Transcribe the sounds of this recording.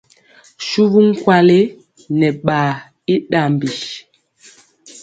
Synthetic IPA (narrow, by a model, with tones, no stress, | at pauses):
ʃu˦βu˦ŋ̩˦kwa˦le˦ | nɛ˨ɓaː˨ | i˦ɗa˨m˨bi˨ʃ